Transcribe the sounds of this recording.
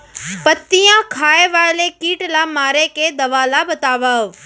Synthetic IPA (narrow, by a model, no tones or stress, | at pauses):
pət̪ːijãkʰaːeʋaːlekiːʈlaːmaːɾekeːd̪ɐʋaːlabət̪aːʋaːo